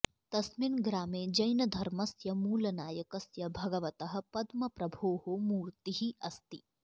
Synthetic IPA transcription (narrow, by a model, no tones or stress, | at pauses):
t̪ɐsminɡɾaːmeːd͡ʒɐjnɐd̪ʱɐɾmɐsjɐmuːlɐnaːjɐkɐsjɐbʱɐɡɐʋɐt̪ɐɦɐ̆pɐd̪mɐpɾɐbʱoːɦomuːɾt̪iɦiʔɐst̪i